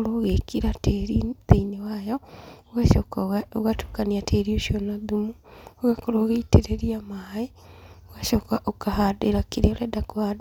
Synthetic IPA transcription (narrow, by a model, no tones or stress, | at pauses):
ɾoɣekiɾateɾiðeinewajɔoɣaʃɔkaoɣatu̥kaniatʰeɾioʃiɔnaðumuoɣakoɾoːɣeiteɾeɾiamae | oɣaʃɔkaʔokahadeɾakiɾeoɾɛdakoad